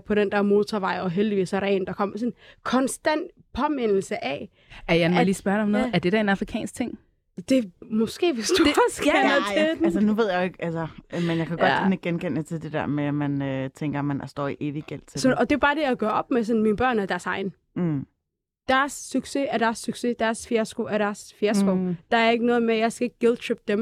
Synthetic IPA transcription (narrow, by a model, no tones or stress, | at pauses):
pʰɒ̽ɾ̥end̥æɐmo̝ːt͡sʰɒʋɑ̈ɪɒ̽ɦeld̥iʋḭːsɒʁɛ̰ːnd̥ɑ̈kʰɒ̽m̰ɐs̬ɔ̽nkʰɒ̽nsd̥æn̰d̥ | pʰɒ̽men̰l̩səʔæ | æɐjænʋeliːsb̥ɶɐdeɒmnɔð̩ˠæɐd̥e̝ɾ̥æe̝nɑ̈fʁikʰɛ̰ːnsɡ̥̚t͡sʰe̝ŋ̰ | d̥e̝mɔ̽sɡ̥e̝̰ːʋesd̥ufsɡ̥edæsənuʋe̝ð̞̰ˠjaɪeɡ̥ælsɐmenjɑ̈kʰæ̥ɒ̽d̥eneɡ̥enkʰen̰ət͡sʰe̝ld̥e̝d̥eɐ̰meæmænøt͡sʰeŋɡ̥ɐmænsd̥ɒ̰ːiʔeʋiɡ̥el̰t͡sʰesɒɒ̽d̥e̝b̥ɑ̈ːd̥e̝jɑɡ̥ɶɐʔɒ̽b̥mesɒ̽nmiːnəb̥ɶɐ̰næd̥æɐsɑ̈ɪn | d̥æɐsːyɡ̥seæd̥æɐsːyɡ̥se̝d̥æɐsfeɐsɡ̥oæɐɾ̥æɐsfeɐsɡ̥od̥ɑ̈æɐe̝ɡ̥ənɔ̽ːð̩ˠmejɑ̈ɪsɡ̥æeɡ̥̚ɡ̥eðˠdɕøːb̥̚d̥em